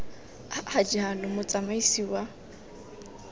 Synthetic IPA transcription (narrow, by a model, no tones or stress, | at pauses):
had͡ʒiɦanʊmʊt͡sʼamaisiwa